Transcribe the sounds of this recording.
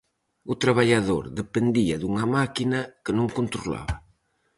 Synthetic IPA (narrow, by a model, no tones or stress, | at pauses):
ut̪ɾaβaʎaðo̰ɾðepend̪iaðuŋɐmakinɐkənõŋkont̪ɾula̰βɐ